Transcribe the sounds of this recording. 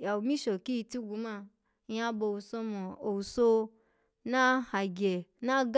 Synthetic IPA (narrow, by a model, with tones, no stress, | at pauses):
ja˨wu˨mĩ˦ʃo˨ki˦i˧ti˦ɡu˧˦ma˧ | ja˦bo˧˨u˨so˧mo˨o˨wu˨so˧ | na˦ha˨ɡʲe˨na˦ɡ